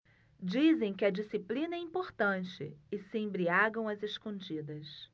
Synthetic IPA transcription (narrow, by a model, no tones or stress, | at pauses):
d͡ʒizẽj̃kɪɐd͡ʒisiplĩnɐɛĩpoɾt̪ɐ̃t͡ʃɪ̰ɪsɪẽbɾiaɡɐ̃w̃ɐzeskõd͡ʒid̪ɐs